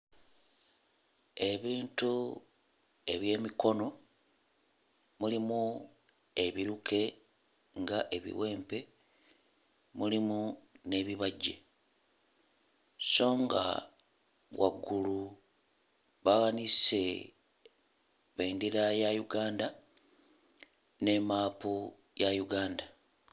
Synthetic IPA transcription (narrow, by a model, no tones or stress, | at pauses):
e̞βiːntu | e̞βje̞ːmiko̞no̞ | mulimu | e̞βiɾukʰe̞ | ŋɡaʔe̞βḭwe̞ːmpe̞ | mulimune̞βiβaɟːḛ | so̞ːŋɡa̰ | wa̰ɡːulu | βawanise̞ | βeːndiɾajajuɡaːnda | ne̞maːpu | jajuɡaːnda